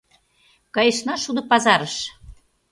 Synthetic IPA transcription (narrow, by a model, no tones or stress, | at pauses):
kɑjə̆ʃnɑʃud̪ɤ̆pɑzɑɾəʃ